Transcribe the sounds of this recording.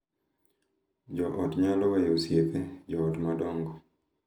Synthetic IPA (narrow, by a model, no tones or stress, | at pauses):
d͡ʒɔʔɔtɲalɔwajosjeped͡ʒɔːtmadɔŋɡɔ